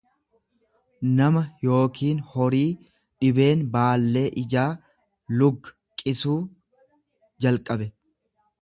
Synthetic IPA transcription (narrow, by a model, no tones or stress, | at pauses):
nɐmɐjo̞ːkiːnhɔɾiː | ᶑɪbe̞ːnbaːlːe̞ːʔɪd͡ʒaː | lʊɡːɐ̥ | kʼɪsuː | d͡ʒɐlkʼɐbɛ